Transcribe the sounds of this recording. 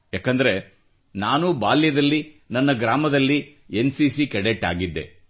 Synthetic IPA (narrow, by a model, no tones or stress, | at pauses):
jaːkɐnd̪ɐɾe̞ | naːnubaːljɐd̪ɐlːinɐnːɐɡɾaːmɐd̪ɐlːi | ensiːsikɛɽeʈːa̰ːɡid̪ːḛ